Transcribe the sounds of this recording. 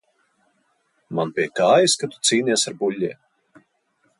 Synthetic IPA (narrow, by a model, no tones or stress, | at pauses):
manpʲiɛkaːjiskat̪u̥t̪siːnʲiɛsaɾbulʲːiɛ